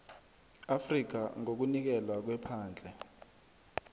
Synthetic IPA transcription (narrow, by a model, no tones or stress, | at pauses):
afrik̬aŋok̬unik̬ɛlwak̬wɛpʰaːnd͡ɮʱɛ